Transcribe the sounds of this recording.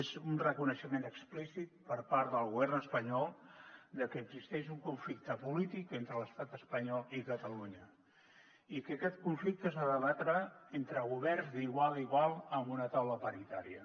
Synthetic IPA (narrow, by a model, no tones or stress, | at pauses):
ezunrəkunəʃəmenəksplisit̪̚pəɾpaɾðəlˠɣuβɛrnəspəɲɔlˠd̪əkəːɡzist̪ɛʃuŋkuɱflik̚t̪əpulit̪ikent̪ɾələst̪at̪əspəɲɔlˠikət̪əluɲə | ikəkɛt̪kuɱflik̚t̪əsaðəlat̪ɾaent̪ɾəɣuβ̞ɛrzd̪iɣwalˠiɣwalˠəmbunət̪awləpəɾit̪aɾiə